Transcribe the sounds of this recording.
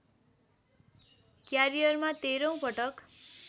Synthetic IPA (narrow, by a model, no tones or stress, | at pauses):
kjaɾijʌrmat̪eɾʌ̃w̃pʌʈʌk